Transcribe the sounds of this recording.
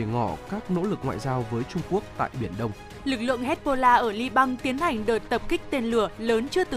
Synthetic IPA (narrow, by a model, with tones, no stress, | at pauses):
e˧˩ŋɔ̰˧˩˨kaː˦˥k̚no̰˧˥lɨ˨˩k̚ŋwa̰ː˧˨jzaː˧wvəː˨˦jt͡ɕʊ˧ŋ͡mku˦˥ək̚t̪a̰ː˧˨jɓi˧˩ənɗə˧wŋ͡m | lɨ˨˩k̚lɨ̰˧˨əŋhɛ˦˥t̚po˧laː˧ʔəː˧˩li˧ɓa˧ŋt̪i˨˦ənha˨˩jŋ̟ɗəː˨˩t̚t̪ə˨˩p̚kï˦˥k̟̚t̪e˧nlɨ˨˩ələː˨˦nt͡ɕɨ˧ət̪